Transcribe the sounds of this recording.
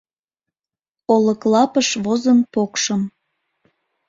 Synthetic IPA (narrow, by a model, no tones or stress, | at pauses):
oləklɑpəʃβozənpokʃəm